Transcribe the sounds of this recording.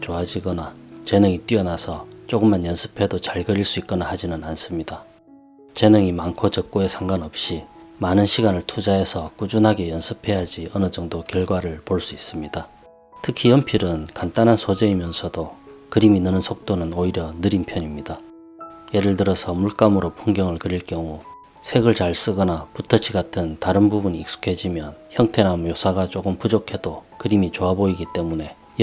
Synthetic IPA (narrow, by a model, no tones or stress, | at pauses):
t͡ɕoad͡ʑiɡʌnat͡ɕe̞nɯŋit͈wɥiʌnasʰʌt͡ɕ͈oɡɯmːanjʌnsʰɯ̥pʰe̞dot͡ɕaɭɡʌɾiɭs͈uit̚k͈ʌnahad͡ʑinɯnans͈ɯmɲida | t͡ɕe̞nɯŋimaŋkʰot͡ɕʌk̚k͈oe̞sʰaŋɡwanʌp̚ɕ͈imanɯnɕʰiɡanɯɭtʰud͡ʑae̞sʰʌk͈ud͡ʑunɦaɡe̞jʌnsʰɯpʰe̞jad͡ʑiʌnɯd͡ʑʌŋdokjʌɭɡwaɾɯɭpoɭs͈uis͈ɯmɲida | tʰɯkʰijʌmpʰiɾɯnkant͈anɦansʰod͡ʑe̞imjʌnsʰʌdokɯɾiminɯnɯnsʰok̚t͈onɯnoiɾjʌnɯɾinpʰjʌɲimɲida | je̞ɾɯɭtɯɾʌsʰʌmuɭk͈amɯɾopʰuŋɡjʌŋɯɭkɯɾiɭk͈jʌŋu | sʰe̞ɡɯɭt͡ɕaɭs͈ɯɡʌnaputʰʌɕʰiɡatʰɯntaɾɯnbubuniːk̚s͈u̥kʰe̞d͡ʑimjʌnçjʌŋtʰe̞namjosʰaɡat͡ɕ͈oɡɯmpud͡ʑokʰe̞d̥okɯɾimit͡ɕoaboiɡit͈e̞mune̞